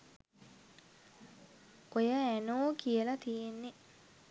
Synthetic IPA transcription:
kojəænoːkijəlɐt̪ijenːe

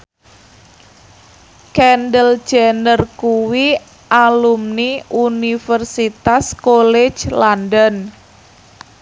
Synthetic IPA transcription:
kɛnɖəl̥d͡ʒ̥anərkuwi | ʔalumniunifərsit̪askolɛ̥d͡ʒlandən

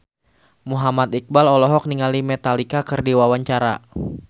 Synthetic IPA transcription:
muɦamat̪ik̚balɔlɔɦɔk̚niŋalimɛt̪alikakɨrdiwawaɲt͡ʃaɾa̰

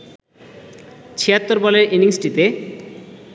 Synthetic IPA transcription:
t͡ɕʰijat̪ːoɾbɔleɾʔiniŋsʈit̪e

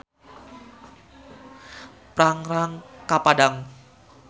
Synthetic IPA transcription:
pɾaŋɾaŋkapadaŋ

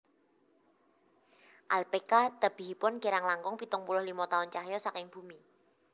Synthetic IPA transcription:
ʔalpekat̪əb̥i̤ɦipʊnɡeɾaŋlaŋkʊŋpit̪ʊŋpulʊhlimɔt̪aʊnt͡ʃaɦjɔsakɪŋb̥umi

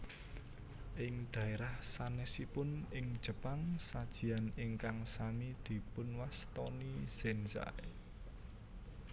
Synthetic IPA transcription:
ʔɪŋd̪̥ä̤eɾahsanɛsipʊnɪŋd̥ʒ̥ə̤paŋsad̥ʒ̥i̤anɪŋkaŋsamid̪̥i̤pʊnwast̪ɔniz̥ɛnsa̰e

